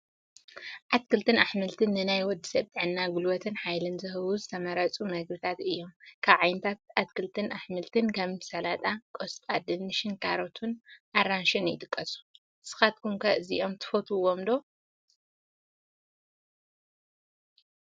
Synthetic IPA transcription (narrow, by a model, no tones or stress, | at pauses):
ʔat̪kʰɨlt̪ʰɨnaħmɨlt̪ʰɨnːɨnajwɔd̪ːɨ̥sɐβt̪ʼɨʕɨnːaɡulwɔt̪ʰɨnħajlɨnzɨhɨwuzɨt̪ʰɐmɐɾɐt͡sʼumɐɡɾɨt̪ʰat̪ɨjːo̞mkʰaβʕajnɨt̪ʰat̪̚at̪kʰɨlt̪ʰɨnʔaħmɨlt̪ʰɨnkʰɐmɨsɐlat̪ʼakʼost̪ʼad̪ɨnːɨʃɨnkʰaɾot̪ʰunʔaɾanʃɨnjɪ̰t̪ʼɨkʼːɐsu̥ | sɨ̥xat̪̚kʰumkʰɐɨziʔomt̪ʰɨ̥fot̪ʰuwomd̪o̞